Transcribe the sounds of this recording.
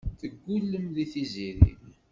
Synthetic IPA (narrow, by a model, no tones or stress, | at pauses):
θəɡʷːulːəmðiθiziɾḭð